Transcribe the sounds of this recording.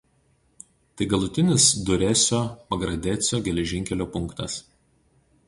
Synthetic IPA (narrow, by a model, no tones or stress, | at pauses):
t̪ɐɪɡɐlˠʊt̪ʲɪnʲɪsd̪ʊɾʲɛsʲoːpɐɡɾɐd̪ʲɛsʲoːɡʲɛlʲɛʒʲɪŋʲkʲɛlʲoːpʊŋˑkt̪ɐs